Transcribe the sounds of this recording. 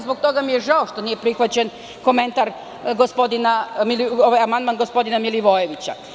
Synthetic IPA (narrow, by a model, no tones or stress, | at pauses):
zbo̞k̚t̪o̞ɡamijeʐaoʃt̪o̞nijepɾixʋat͡ɕe̞n | ko̞me̞nt̪aɾ | ɡospo̞d̪inamilioʋajamand̪manɡospo̞d̪inamiliʋo̞jeʋit͡ɕa̰